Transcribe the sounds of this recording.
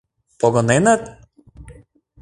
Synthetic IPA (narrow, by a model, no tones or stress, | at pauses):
pɔɡɔnɛnat̪